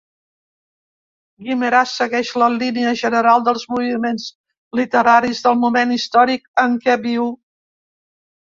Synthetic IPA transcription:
ɡiməɾasːəɣɛʃləliniəʒənəɾalˠd̪əlˠzmuβimenz | lit̪əɾaɾizðəlˠmumenist̪ɔɾikəŋkɛβiw

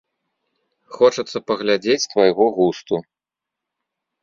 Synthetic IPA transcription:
xɔt͡ʂɐt̪sːɐpɐɣlʲad͡zʲet͡sʲst̪vajɣɔɣust̪u

